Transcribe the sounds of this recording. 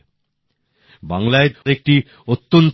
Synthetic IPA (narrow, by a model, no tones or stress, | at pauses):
baŋlaed̪ɾek̚ʈi | ot̪ːont̪